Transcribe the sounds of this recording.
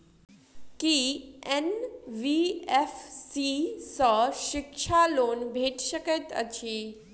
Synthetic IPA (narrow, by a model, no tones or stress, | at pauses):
kienʋiefsisəʃɪkʃaloːnbʱeʈɕəkət̪ə̰t͡ɕʰi